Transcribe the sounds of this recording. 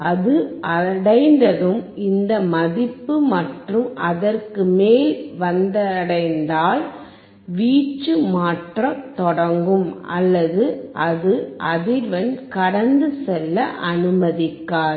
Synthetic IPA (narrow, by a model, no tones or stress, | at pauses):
ɐðɯʔɐɽɐɪnd̪ɐðɯmɪnd̪ɐmɐðɪpːɯmɐʈrɯmʔɐðɐrkɯmeːlʋɐnd̪ɐɽɐɪnd̪aːl | ʋiːt͡ʃːɯmaːʈrɐt̪ɔɽɐŋɡɯmɐ̰lːɐðɯʔɐðɯʔɐðɪɾʋɐnkɐɽɐnd̪ɯsɛlːɐʔɐnɯmɐðɪkːaːɾ